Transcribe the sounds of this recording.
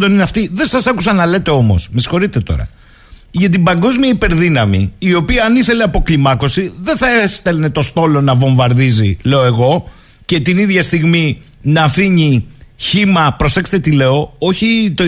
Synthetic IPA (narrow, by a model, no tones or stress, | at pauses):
d̪o̞nineɐft̪iðe̞nsɐsɐkusɐnɐle̞t̪e̞o̞mo̞̰smesi̥xo̞ɾit̪e̞t̪o̰ɾɐ̰ | ʝɐt̪̬ibɐŋɡo̞zmiɐipe̞ɾðinɐmiio̞piɐːniθe̞le̞ɐpo̞klimɐko̞siðe̞nθɐest̪ɐlnet̪o̞st̪o̞lo̞nɐvo̞ɱvɐɾðizile̞oe̞ɣo̞ | ce̞t̪iniðʝɐst̪iɣmi | nɐːfiɲiçimɐpɾo̞se̞kst̪et̪ile̞o̞o̞çit̪o